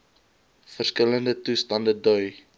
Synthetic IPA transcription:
fərskələndətustɐndədœɥ

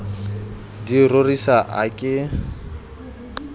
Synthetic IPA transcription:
dirorisaʔakʼɪ

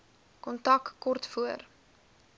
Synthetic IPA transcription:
kɔntɐkːɔrtfuər

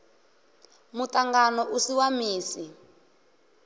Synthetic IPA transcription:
mutaŋɡanɔʔusiwamiːsi

